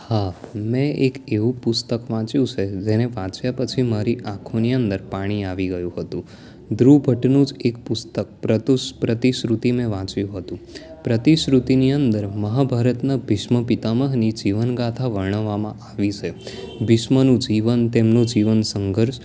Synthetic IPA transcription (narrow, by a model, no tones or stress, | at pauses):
hamɛ̃ekeʋũpʊst̪əkʋãt͡ʃjũt͡ʃʰed͡ʒeneʋãt͡ʃjapət͡ʃʰimaɾiʔãkʰoniənd̪əɾpaɽ̃iaʋiɡəjũɦət̪ũ | d̪ɾubʱəʈnũd͡ʒekpʊst̪ək̚pɾət̪uʃpɾət̪iʃɾut̪imẽʋãt͡ʃjũɦət̪ũ | pɾət̪iʃɾut̪iniənd̪əɾməɦabʱaɾət̪nabʱɪʃməpit̪aməɦnid͡ʒiʋənɡat̪ʰaʋəɾɳəʋamã̰ʔaʋit͡ʃʰe | bʱɪʃmənũd͡ʒiʋənt̪emnod͡ʒiʋənsəŋɡʱəɾʃ